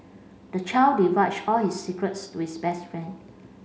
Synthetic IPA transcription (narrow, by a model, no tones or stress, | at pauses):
d̥ət͡ʃaɪldiwat͡ʃɔlhisːikɹətstuhisbɛstfɹɛ̃nd